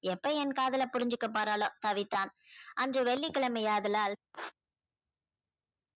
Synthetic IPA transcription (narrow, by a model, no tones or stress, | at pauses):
ɛpːɐɛnkaːðɐlɐpʊɾɪɲd͡ʒɯkːɐp̬ːaːɾaːloːt̪ɐʋɪt̪ːaːnʔɐndrɯʋɛɭːikːɪɭɐmɛjaːðɯlaːl